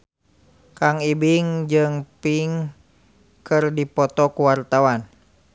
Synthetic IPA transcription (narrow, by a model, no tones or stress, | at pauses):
kaŋibiŋd͡ʒɨŋpiŋ | kɨrdipɔt̪ɔkuwart̪awan